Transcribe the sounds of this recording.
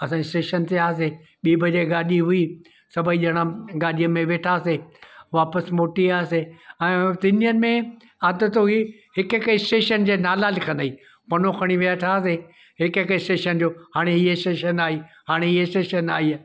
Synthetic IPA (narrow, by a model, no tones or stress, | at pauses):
ɐsãːisʈeːʃənt̪eaːse | ɓiːbʱɐd͡ʑeɡaːɗiɦʊiː | sɐbʱəiʄɐɽ̃ãɡaːɗijəmẽʋeːʈʰaːseʋaːpəsmoːʈiaːseɛ̃ːt̪ɪniənɪ̆mẽ | ɐd̪ʊ̆t̪oɦi | ɦɪkɦɪkɪsʈeːʃənd͡ʑeːnaːlalɪkʰənəiː | pɐnoxʰɐɽ̃iʋiaʈʰaːs̬e | ɦɪkɦɪkɪsʈeːʃənd͡ʑoːhaːɽ̃eɦiːesʈeːʃənaːiː | haːɽ̃eiɦesʈeːʃənaːɦiː